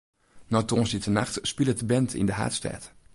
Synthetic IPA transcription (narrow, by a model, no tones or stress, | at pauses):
nɔtɔnsditənaχtspilˠətəbɛntʰɪ̰ndəɦa̰ːtstɛ̰ːt